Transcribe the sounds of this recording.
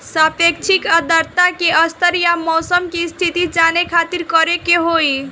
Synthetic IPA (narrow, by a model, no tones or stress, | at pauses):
səpek̚t͡ʃʰikəd̪əɾt̪akeʔəst̪əɾjamɔsəmkest̪ʰit̪id͡ʒanekʰat̪iɾkəɾekeɦoj